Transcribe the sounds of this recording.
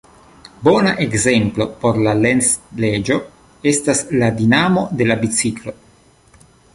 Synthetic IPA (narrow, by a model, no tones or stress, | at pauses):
bo̞naʔe̞kze̞mplo̞po̞ɾlalensle̞d͡ʒo̞ | e̞stasladinamo̞de̞labit͡siklo̞